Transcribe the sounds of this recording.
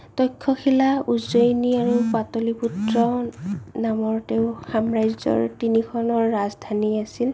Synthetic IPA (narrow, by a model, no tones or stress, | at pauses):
tɔjkʰːɔkʰilauzojniaɹupatoliputɹɔnamɔɹteʊxamɹajzɔ̰ɹtinikʰɔnɔɹːazdʱaniasil